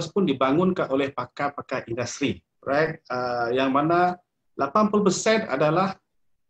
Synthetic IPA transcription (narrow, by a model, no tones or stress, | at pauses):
spʊndibaŋʊnkaʔolɛhpakapakaʔindast̪ɾi | rajt̪̚əjaŋmana | lapanpulpərsɛna̰dalah